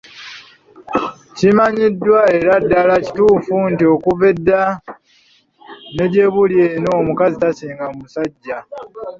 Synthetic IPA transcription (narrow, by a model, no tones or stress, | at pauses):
cimaɲidːwaeɾadːalaci̥tuːfuntio̞kuvedːa | ne̞ɟe̞βuljeno̞ːmukazitasiːŋɡamusaɟːa